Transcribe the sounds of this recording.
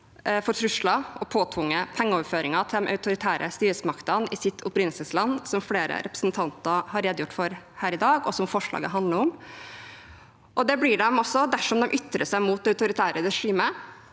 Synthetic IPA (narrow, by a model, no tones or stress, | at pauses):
fɔɾʈʰɾʉʂɭɑʔɔpʰoːt̪ʰʋʊŋːəpʰɛŋːəɔːʋføːɾɪŋɑt̪ʰɪmʔɑ̰ʉt̪ʊɾɪt̪ʰæːɾʔə̰st̪yːɾəsmɑkt̪ənɪsɪt̪ʰːʊpɾɪnəsəslɑnːsɔmfleːɾə̰ɾʔɛpɾə̥snt̪ʰɑnt̪əɾhɑɾeːd̪jʊʈːfɔɾhæːɾɪd̪ɑːɡɔsɔmfɔʂɭɑ̰ːɡə̰ɦɑnd̪ləɾɔm | ʔɔd̪ɛblɪɖɛmɔsːɔd̪æʂɔmd̪ɛmʔʏt̪ːɾəʂæɪmuːt̪ɑʉt̪ʊɾɪt̪ʰæːɾəɾɛʂiːmə